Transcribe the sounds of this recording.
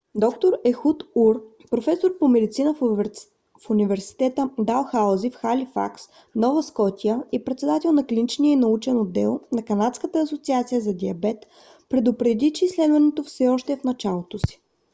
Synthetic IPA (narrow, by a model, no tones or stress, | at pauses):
d̪ɔkt̪oɾɛxut̪uɾ | pɾofɛsoɾpomɛd̪it̪sinə | funivɛɾsi̥t̪ɛt̪əd̪alˠxazifxalifa̰ks | nɔvəskɔt̪iəipɾɛt̪sɛd̪at̪ɛlˠnɐklʲinit͡ʃniəinɐut͡ʃɛnod̪ːɛ̰lˠnɐkɐnat̪skət̪əːsot̪siat̪sijəzɐd̪iɐbɛt̪ | pɾɛd̪ʊpɾɛd̪it͡ʃɛislɛd̪vɐnot̪ofsɛɔʃt̪ɛfnɐt͡ʃalˠot̪osi̥